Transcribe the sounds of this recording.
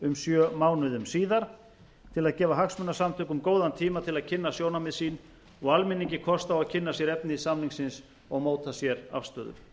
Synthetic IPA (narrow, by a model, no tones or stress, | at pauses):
ʏmsjœːmaːwnʏðʏmsiːðaɾ | t̪ʰɪlaðcɛːvaɦaksmʏnːasamt̪ʰʏːkʏmkoːwðant̪ʰiːmat̪ʰɪlaðcʰɪnːasjoːwnamɪðsiːn | ɔɣalmɪniɲcɪkʰɔst̪awaðcʰɪnːasjɛɾɛpnɪisamniŋksɪns | ɔɣmoːwt̪ʰasjɛɾa̰fst̪œːðʏ̰ɾ̥